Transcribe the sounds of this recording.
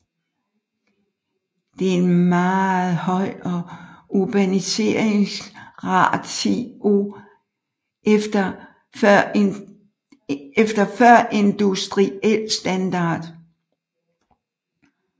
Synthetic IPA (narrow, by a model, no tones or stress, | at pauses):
d̥e̝æɐe̝nmɑːð̩ˠhɒ̽ɪ̰ɒ̽ub̥ænise̝̰ːɐ̰eŋsʁɑ̰̈ːd̥t͡sʰeo̰ | efd̥ɐfɶɐ̰ʔe̝nd̥usd̥ʁiel̰sd̥ænd̥ɑ̰̈ːd̥